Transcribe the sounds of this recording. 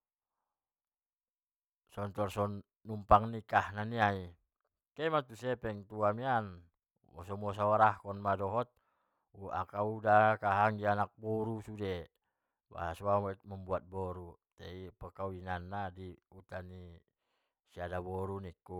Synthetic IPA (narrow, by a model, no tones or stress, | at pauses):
sɔnt̪ɔrsɔnː | umpaŋnikahnaniai | kɛmat̪usɛpɛŋt̪uamian | wɔ̰sɔmɔs̬awaɾahkɔnmadɔɦɔt̪̚ | ua̰kaudakaɦaŋɡianak̚bɔɾusudɛ | ba̰ɦasuamɛməmbuat̪̚bɔɾut̪ɛipəkauinanːadiut̪ani | siadabɔɾunikːu